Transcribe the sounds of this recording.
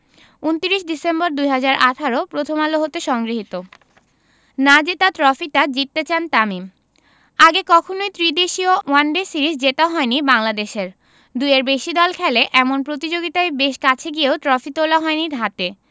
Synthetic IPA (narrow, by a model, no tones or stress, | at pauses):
unt̪iɾiʃɖisembɔɾd̪ujɦad͡ʑaɾʔaʈʰaɾopɾot̪ʰomaloɦot̪eʃɔŋɡɾiɦit̪o | nad͡ʑet̪at̪ɾɔfiʈad͡ʑit̪ːet͡ɕant̪amim | aɡekɔkʰonojt̪ɾid̪eʃiowanɖesiɾisd͡ʑet̪aɦɔenibaŋlad̪eʃeɾ | d̪ueɾbeʃid̪ɔlkʰɛleʔɛmonpɾot̪id͡ʑoɡit̪aebeʃkat͡ɕʰeɡieot̪ɾɔfit̪olaɦɔeniɾʱat̪e